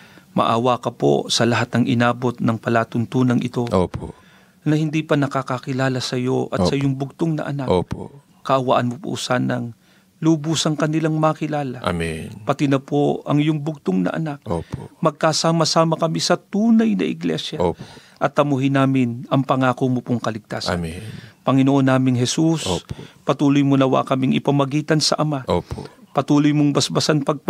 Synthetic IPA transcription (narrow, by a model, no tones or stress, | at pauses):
mɐ̰ʔawakɐpo̰sɐlɐɦat̪̚nɐŋʔɪnaːbo̞t̪̚nɐŋpɐlaːt̪oŋt̪uːnɐŋʔɪt̪o̞ʔopo̰ | nɐhɪnd̪ipɐnɐkakɐkɪlaːlɐsɐjo̞ʔɐ̰tssɐjʊŋbʊɡ̚t̪oŋnɐ̰ʔɐ̰naʔopo̰ | kːɐʔɐwaʔɐnmopṵsanɐŋ | lubusɐŋkɐnɪlaŋmɐkɪlaːlɐʔa̰minpɐt̪ɪnɐpoɐ̰ŋɪjʊŋbʊɡ̚t̪oŋnɐ̰ʔɐ̰nak̚opomɐɡ̚kasaːmɐsaːmɐkɐmisɐt̪uːnɐjnɐ̰ʔɪ̰ɡlɛ̰sjɐ | ʔɐt̪ːɐmuɦɪnaːmɪnɐŋpɐŋaːkomopoŋkɐlɪɡ̚t̪a̰ːsa̰nipɐŋɪnoʔonːaːmɪŋɦɛsusʔopɐt̪uːlojmonɐwa̰ʔkɐmɪŋɪpɐmɐɡiːt̪ɐnsɐʔɐmaʔopopɐt̪uːlojmoŋbɐsbɐsanpɐɡ̚p